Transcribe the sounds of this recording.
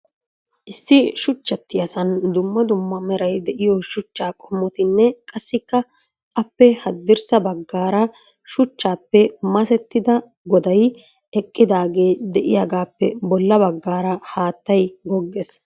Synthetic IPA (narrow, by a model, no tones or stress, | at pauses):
ʔɪsːɪʃʊt͡ʃːɐt̪ːɪjɐsɐnd̪ʊmːɐd̪ʊmːɐmɛɾɐjd̪ɛʔɪjɔʃʊt͡ʃːaːkʼɔmːɔt̪ɪnːɛkʼɐsːɪkːɐ | ʔɐpːɛhɐd̪ːɪɾsɐbɐɡːaːɾɐ | ʃʊt͡ʃːaːpːɛmɐsɛt̪ːɪd̪ɐ | ɡɔd̪ɐj | ɛkʼːɪd̪aːɡe̞ːd̪ɛʔɪjaɡaːpːɛbɔlːɐbɐɡːaːɾɐhaːt̪ːɐjɡɔɡːɛs